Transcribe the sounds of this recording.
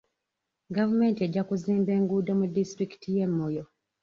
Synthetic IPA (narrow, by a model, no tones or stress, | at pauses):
ɡavume̞ːntie̞ɟːakuziːmbe̞ːŋɡudo̞mudistɾiki̥tije̞mːo̞jo̞